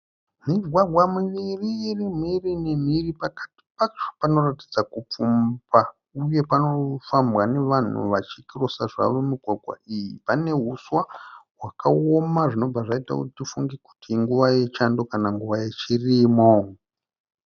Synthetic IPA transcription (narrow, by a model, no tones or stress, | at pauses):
miɡʱwaɡʱwamiʋiririmirinem̤iripakḁti̥pat͡ʃo̥pano̞ratid͡zakup͡fumba | uje̞pano̞fambwane̞ʋan̤ṵʋat͡ʃikirosaʐa̰ʋo̞miɡʱwaɡʱwa̰ijipane̞ɦuswawakao̞maʐino̞b͡vaʐaita̰kutitifuŋɡeku̥tiŋɡuʋaje̞t͡ʃando̞kanaŋɡuʋajet͡ʃirimo